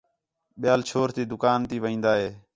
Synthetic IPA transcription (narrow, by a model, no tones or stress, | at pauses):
ɓɪjaːlt͡ʃʰoːɾt̪iːd̪ʊkaːnt̪iːʋəĩːnd̪aːɦeː